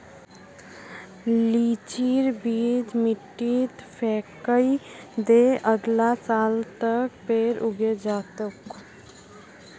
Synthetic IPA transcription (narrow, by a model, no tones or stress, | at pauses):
liːt͡ʃiːɾbiːd͡ʒmiʈːit̪pʰɛːkəid̪eəɡlasaːlt̪ək̚peːɾʔuɡed͡ʒaːt̪uk